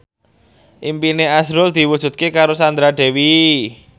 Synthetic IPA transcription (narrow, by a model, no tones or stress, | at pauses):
ʔimpineasɾʊld̪̥i̤wu̥ʒ̥ṳt̪̚kekaɾosand̪ɾad̪̥e̤wi